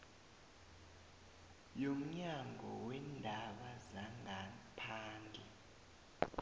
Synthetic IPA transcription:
jom̩ɲaŋʱɔ̰wɛndʱaɓazaŋʱapʰaːnd͡ɮʱɛ

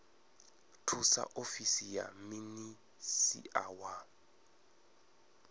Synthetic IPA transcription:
tʰusa̰ʔofisija̰mini | sḭʔawa

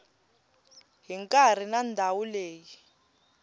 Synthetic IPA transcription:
ɦiŋkʼar̤inandʱawuleːji

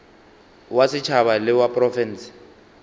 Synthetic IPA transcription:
wasɪt͡ʃʰaβalɪwapʼrɔfɛnsi̥

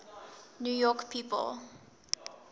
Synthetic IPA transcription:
njujɔkpʰiːpə̰lˠ

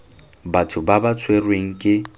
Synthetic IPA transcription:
batʰʊbabat͡sʰwerweŋ̩kʼɪ

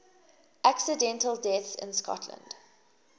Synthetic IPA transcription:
ʔaksədɛ̃ntəlˠdɛθsɪ̰̃nskɔ̰tʰlə̰̃nd̥

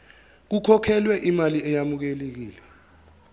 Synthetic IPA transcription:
k̬ukʰɔkʰɛlwɛʔimaliɛjamuk̬elek̬iːlɛ

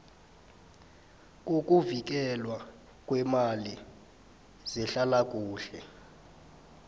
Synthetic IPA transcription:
k̬ʼokʼuvik̬ʼɛlwa | kʼwɛmali | zɛɬalak̬ʼuːɬɛ

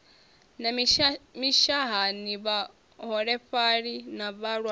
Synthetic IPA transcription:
n | miʃaɦaniβa | ɦɔɺɛɸaɺinaβaɺwa

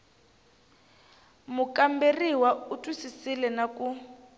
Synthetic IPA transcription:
mukʼamberiwautʼwisisilɛnakʼu

